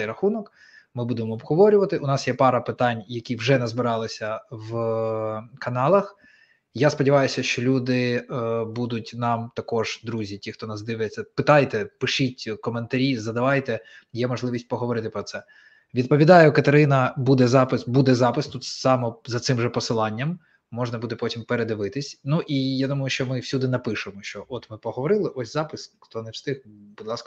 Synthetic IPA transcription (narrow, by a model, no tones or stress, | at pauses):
ɛjɾɐxunɔk | mɪbud̪emɔːbɦɔʋɔɾʲʊʋɐt̪ɪʔʊnɑsjɛpɑɾɐpɪt̪ɑnʲjɐkʲiwʒɛnɛzbɪɾɑlˠɪsʲɐʋ | kɐnɑlˠɐx | jaspɔdʲiʋɑjʊsʲɐʃt͡ʃɔlʲud̪ɪbud̪ʊtʲnɑmt̪ɐkɔʐ̥d̪ɾuzʲitʲixt̪ɔnɑzd̪ɪʋɪjet͡sʲːɐpɪt̪ɑjt̪ɛpɪʃitʲkɔment̪ɐɾʲizɐd̪ɐʋɑjt̪ɛ | jɛmɔʐlˠɪʋʲisʲtʲpɔɦɔʋɔɾɪt̪ɪpɾɔt̪sɛ | ʋʲid̪̚pɔʋʲid̪ɑjʊkɐt̪eɾɪnɐbud̪ɛzɑpɪsbud̪ɛzɑpɪst̪ut̪sɑmɔzɐt̪sɪmʐɛpɔsɪlˠɑnʲːɐmː | ɔʒnɐbud̪ɛpɔtʲimpeɾed̪ɪʋɪt̪ɪsʲnuʔijad̪umɐjʊʃt͡ʃɔmɪwsʲud̪ɪnɐpɪʃɪmɔʃt͡ʃɔʔɔt̪mɪpɔɦɔʋɔɾɪlˠɪʔɔsʲzɑpɪsxt̪ɔnɛwst̪ɪxbud̪lˠɑskɐ